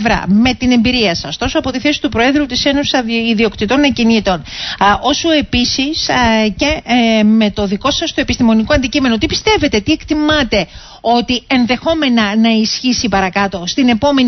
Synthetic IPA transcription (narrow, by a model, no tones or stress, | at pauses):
vɾɐ̰me̞t̪ine̞mbiɾiɐsɐst̪o̞soɐpo̞t̪iθe̞si̥t̪upɾo̞e̞ðɾut̪ise̞nosi̥sɐiðio̞kt̪it̪o̞nɐcinit̪o̞no̞soe̞pisisce̞me̞t̪o̞ðiko̞sɐst̪oe̞pist̪imo̞nikoɐnd̪icimenot̪ipi̥st̪e̞ve̞t̪e̞t̪ie̞kt̪imɐt̪e̞ | o̞t̪ie̞nðe̞xo̞me̞nɐnɐisçisipɐɾɐkɐt̪o̞st̪ine̞po̞men